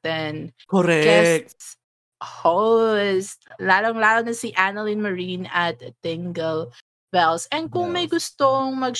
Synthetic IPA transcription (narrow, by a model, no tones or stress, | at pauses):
t̪ɛnkoɾɛd͡ʒɛsk̚ | host̪laːloŋlaːloŋnɐsiʔanɐlɪ̃nmɐɹinɐt̪ːɪŋɡɛl | bɛlsʔɛn̚kʊŋmɐjɡʊst̪oŋmɐɡ̚